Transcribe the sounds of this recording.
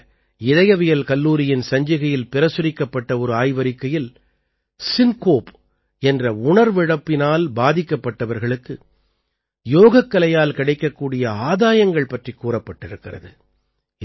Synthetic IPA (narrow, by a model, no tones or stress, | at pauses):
ɪðɐjɐʋɪjɐlkɐlːuːɾɪjɪnsɐɲd͡ʒɪɣɐjɪlpɪɾɐsʊɾɪkːɐpːɐʈːɐɔɾɯaːjʋɐɾɪkːɐjɪl | sɪnkoːp | ɛndrɐʊɳɐɾʋɪɻɐpːɪnaːlbaːðɪkːɐpːɐʈːɐʋɐɾɣɐɭɯkːɯ | joːɣɐkːɐlɐjaːlkɪɽɐɪkːɐkːuːɽɪjɐaːðaːjɐŋɡɐɭpɐʈrikːuːrɐpːɐʈːɪɾɯkːɪrɐ̰ðɯ